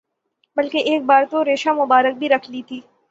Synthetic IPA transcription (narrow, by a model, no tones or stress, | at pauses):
bɐlkeʔeːk̚baːɾt̪oɾeːʃamʊbaːɾək̚bʱiɾɐkʰlit̪ʰiː